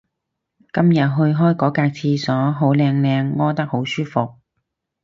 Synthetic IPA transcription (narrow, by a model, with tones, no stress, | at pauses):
kɐ˥mjɐ˨t̚ɦɵ˧ɥɦɔː˥jkɔː˨˥kaː˧k̚t͡sʰiː˧sɔː˨˥ɦo˨˥wlɛː˧ŋlɛː˧ŋːɔː˥t̪ɐ˥k̚ho˨˥wsyː˥fʊ˨k̚